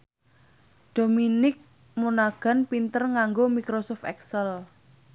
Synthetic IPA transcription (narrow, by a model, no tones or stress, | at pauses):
ɖ̥ominɪk̚ | munaɡ̥a̤npint̪ərŋaŋɡomikɾosɔft̪ɛksəl